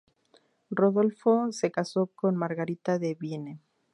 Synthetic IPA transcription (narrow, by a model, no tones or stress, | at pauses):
ro̞ðo̞lfose̞kaso̞ko̞nmaɾɣaɾit̪aðe̞βjene